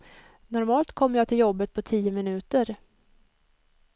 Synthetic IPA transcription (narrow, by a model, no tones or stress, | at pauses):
nɔɾmɑːlt̪kʰɔmːəjɑːt̪ʰɪljɔbːət̪̚pʰɔt̪ʰiːəmɪnʉ̟ːt̪əɾ